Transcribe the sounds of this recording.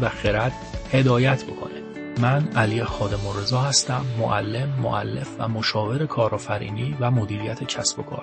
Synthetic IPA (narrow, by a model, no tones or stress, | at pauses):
væxeɾæd̪̥ | he̞d̪ɒːjæt̪ʰbo̞kʰo̞̰ne | mænælijexɒːd̪e̞moɾezɒːhæst̪æmːo̰ʔælːe̞mːo̰ʔæ̰lːe̞fvæmo̞ʃɒːve̞ɾe̞kʰɒːɾɒːfæɾḭːniːvæmod̪iːɾijæt̪ʰe̞cʰæsbokʰɒ̰ːɾ